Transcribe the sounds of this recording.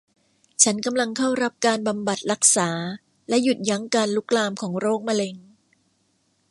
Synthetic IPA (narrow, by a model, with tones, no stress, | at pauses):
t͡ɕʰa˦˥nka˧mla˧ŋkʰa˥˩wɾa˦˥p̚kaː˧nba˧mba˨˩t̪̚ɾa˦˥k̚saː˩˦ | lɛ˦˥ju˨˩t̪̚ja˦˥ŋkaː˧nlu˦˥k̚laː˧mkʰɔː˩˦ŋɾoː˥˩k̚ma˧le˧ŋ